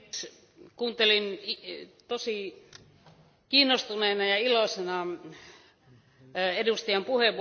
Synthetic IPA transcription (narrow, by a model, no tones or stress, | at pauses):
s | kuːnt̪elinit̪osi | kiːnːost̪uneːnɑjɑilosenɑ | edust̪ijɑmpuheʋ